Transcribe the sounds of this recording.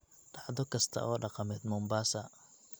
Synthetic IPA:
ɖɑʕðɔkʰɐst̪ʰɐ̰ʔɔːɖɑqɑmɛːd̪mʊmbaːsɐ

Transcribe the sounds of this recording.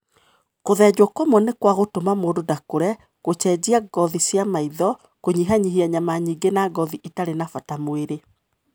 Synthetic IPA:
koðɛd͡ʑwɔkomɔnekwaɣotomamoːdodakoɾɛ | ɣot͡ʃɛd͡ʑiaɡɔðisjamaiðɔ | koɲiɦaɲiɦiaɲamaɲiːɡenaɡɔðiʔitaɾenafatamoeɾe

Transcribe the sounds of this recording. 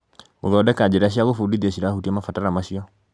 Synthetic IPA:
muðɔdɛkad͡ʒɛɾaʃiaɣofudiðiaʃiɾahutiɛmafataɾamaʃiɔ

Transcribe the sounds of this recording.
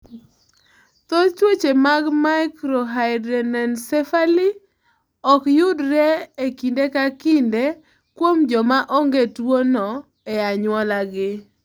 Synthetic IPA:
t̪ɔt͡ʃwet͡ʃemaɡmaɪkɾɔɦaɪdɾɛnɛnsɛfali | ɔkjʊdɾɛekindekakinde | kwomd͡ʒɔmaʔɔŋɡetwonɔ | eaɲwɔlaɡɪ

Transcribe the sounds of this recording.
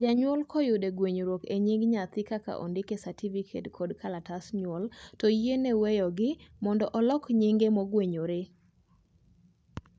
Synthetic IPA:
d͡ʒaɲwɔlkʰɔjʊdeɡweɲoɾwokeɲiŋɡɲat̪ɪkaka̰ʔɔ̰ndɪkesativikʰḛtkʰɔdkʰalatasɲwɔltɔjienɛwɛjɔɡɪmɔndɔʔɔlɔkɲiŋɡemɔɡweɲoɾe

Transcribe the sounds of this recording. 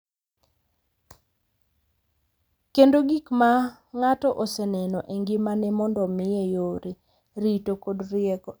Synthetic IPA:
kendoɡikma | ŋatɔʔosɛnɛnɔʔeŋɡɪmanɛmɔndɔmɪjejoɾe | ɾitokodrɪɛkɔ

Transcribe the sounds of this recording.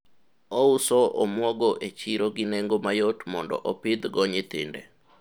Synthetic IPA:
ɔusɔʔɔmwɔɡɔʔet͡ʃiɾoɡɪneŋɡomajotmɔndɔ̰ʔɔpɪd̪ɡɔɲɪt̪ɪ̰ndḛ

